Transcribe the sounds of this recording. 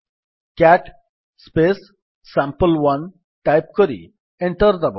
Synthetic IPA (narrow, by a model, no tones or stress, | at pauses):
kɛʈ | spesː | ãmpəlʋɐn | ʈajp̚kəɾḭ | ẽɳʈəɾd̪ɐb